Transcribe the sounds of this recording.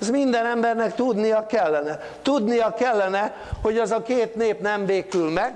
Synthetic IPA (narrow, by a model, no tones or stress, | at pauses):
zmind̪ɛnɛmbɛrnɛkt̪ud̪nijɒkɛlːɛnɛ | t̪ud̪nijɒkɛlːɛnɛ | ho̞ɟɛzɒkeːt̪neːpnɛmbeːkylmɛɡ